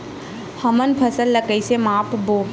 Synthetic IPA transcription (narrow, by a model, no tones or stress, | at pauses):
həmənpʰəsəlːəkəisemaːpʰboː